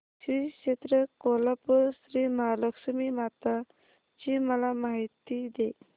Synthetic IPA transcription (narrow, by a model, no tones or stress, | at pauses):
ɕɾiɕet̪ɾəkolapəsɾimaɦaləkʂəmimat̪a | t͡ɕiməlamaɦit̪id̪e